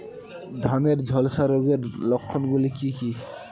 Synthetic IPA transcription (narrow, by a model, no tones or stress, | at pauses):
d̪ʱaneɾd͡ʒʱɔlsaɾoɡeɾlɔkʰːɔnɡulikiki